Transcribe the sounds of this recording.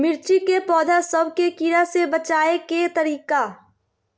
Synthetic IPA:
mɪɾt͡ʃikepɔːd̪ʱasəbʱkekiɾasebət͡ʃaːeket̪ɐɾiːkaː

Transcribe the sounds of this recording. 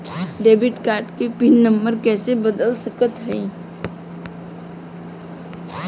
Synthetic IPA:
ɖeːbɪʈkaːɾʈkepinːəmbəɾkɛːsebəd̪əlsəkət̪ɦəĩ

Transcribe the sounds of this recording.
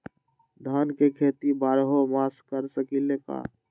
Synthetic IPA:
d̪ʱənkekʰet̪ibaɾɦomaskəɾsəkileka̰

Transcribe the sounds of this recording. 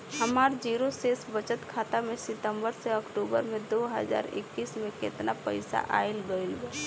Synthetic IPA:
ɦɐmaːɾd͡ʒiːɾoseːsbət͡ʃət̪kʰaːt̪amẽsɪt̪ə̃mbəɾseɐkʈuːbə̰ɾmẽd̪oːɦə̰za̰ːɾɪ̰kːiːsmẽkḛːt̪napə̰ɪsa̰ʔa̰ːɪlɡəɪlbə

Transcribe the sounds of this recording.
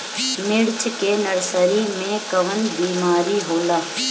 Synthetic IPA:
mɪɽt͡ʃʰkenəɽsəɾiːmẽkəʋənbiːmaːɾiɦoːlaː

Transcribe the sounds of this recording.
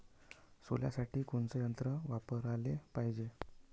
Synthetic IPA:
solja̰saʈiːkoɳt͡səjənt̪ɾəʋapəɾalepaɦid͡ʑe

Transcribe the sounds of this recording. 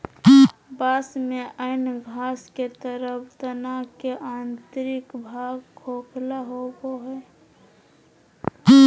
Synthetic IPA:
basmeʔənɡʱasket̪əɾəpʰt̪ənakeʔant̪ɾikbʱaɡkʰoklaɦoboɦɛ

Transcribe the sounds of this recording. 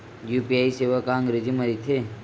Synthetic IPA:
jupiajseʋəkãŋɡɾed͡ʒiməɾit̪ʰe

